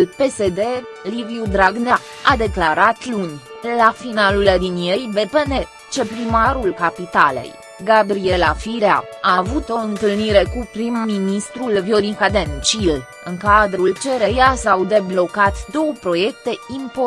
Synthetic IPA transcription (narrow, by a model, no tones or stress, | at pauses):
lpe̞se̞d̪e̞ | liviud̪ɾaɡna | ad̪e̞klaɾat̪lunʲlafinaluled̪inje̞jbe̞pene̞ | t͡ʃe̞pɾimaɾulkapit̪ale̞̰j | ɡabɾie̞lafiɾea̰avut̪o̞ɨnt̪ɨlniɾe̞kupɾimːinist̪ɾulvjoɾikad̪ent͡ʃil | ɨŋkad̪ɾult͡ʃe̞ɾejasawd̪e̞blo̞kat̪d̪o̞wəpɾo̞je̞kt̪e̞impo